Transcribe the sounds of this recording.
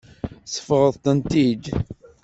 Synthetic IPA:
sə̥fʁəðˤt̪ənt̪id̪

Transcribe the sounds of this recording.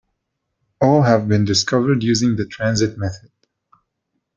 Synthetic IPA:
ɔlɦævbĩndɪskʌvəɾɖjʉːzɪ̃ŋd̪ətʰɹæ̃nzɪt̚mɛθəd̥

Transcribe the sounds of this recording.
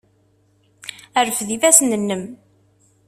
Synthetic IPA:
æɾəfðivæsnənːəm

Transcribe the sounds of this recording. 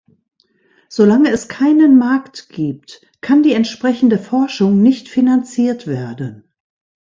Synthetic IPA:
z̥olaŋəɛskʰaɪnənmaɐktɡ̥iːp̚t | kʰandiːɛntʃpʁ̥ɛçn̩dəfɔɐʃʊŋnɪçtfinant͡siːɐtv̥eːɐdən

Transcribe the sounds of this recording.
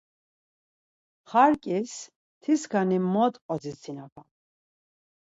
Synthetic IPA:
χaɾkʼis | t̪ʰisɡʰanimɔt̪ʼqʼɔd͡zit͡sʰinapʰa

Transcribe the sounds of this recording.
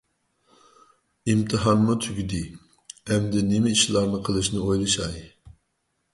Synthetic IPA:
imt̪ʰɨɦɑnmʊt̪ʰyɡʲyd̪ɪ | ɛmd̪ɪnɪmɪiʃlˠɑɾnɨqʰəlˠɨʃnɨojlˠɨʃɑj

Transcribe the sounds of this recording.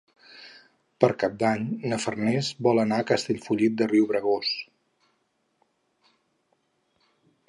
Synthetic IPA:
pəɾkap̚d̪aɲnəfərnɛzbɔlˠənaəkəst̪eʎfuʎit̪̚d̪əriuwβɾəɣos

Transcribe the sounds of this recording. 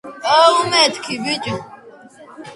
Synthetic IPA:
aumɛt̪ʰkʰibit͡ʃʼu

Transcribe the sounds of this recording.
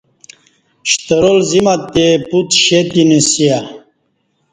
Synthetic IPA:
ɕt̪əɾolzimat̪ːeput̪ɕet̪inesija

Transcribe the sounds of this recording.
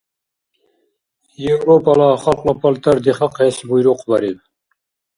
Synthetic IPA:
jewɾopɑlˠɑχɑlˠqlˠɑpʰɑlˠt̪ʰɑɾd̪eχɑqɑjɑsɪbujɾuqʰbɑɾed̪ɪ

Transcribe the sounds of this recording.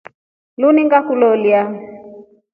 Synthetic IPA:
luniŋɡakulɔlia

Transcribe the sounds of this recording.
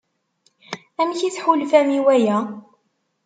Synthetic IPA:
æmçiθħulfæmiwæjæ

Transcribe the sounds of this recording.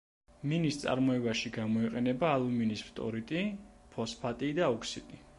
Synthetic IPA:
minist̪sʼa̰ɾmɔɛbaʃiɡamɔiqʼɛnɛbaːlˠuminispʰt̪ʼɔ̰ɾit̪ʼipʰɔspʰat̪ʼid̪aɔkʰsit̪ʼi

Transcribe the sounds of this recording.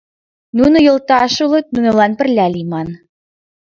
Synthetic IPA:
nunŏjɤ̆lˠt̪ɑʃulˠɤ̆t̪̚nunɤ̆lɑnpɘ̆rlʲælimɑn

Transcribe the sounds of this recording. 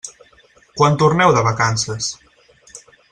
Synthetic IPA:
kwant̪urnɛwðəβəkansəs

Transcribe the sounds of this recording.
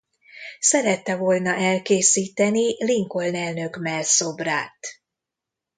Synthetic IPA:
sɛɾɛt̪ːɛvo̞lnɒʔɛlkeːsiːt̪ɛniliŋko̞lnɛlnø̞kmɛlso̞braːt̪

